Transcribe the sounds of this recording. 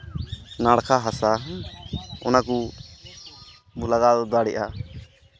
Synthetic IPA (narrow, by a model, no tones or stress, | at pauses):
naɽkʰaɦasa | ɔ̰naku | bulaɡad̪ɔd̪aɽɛʔa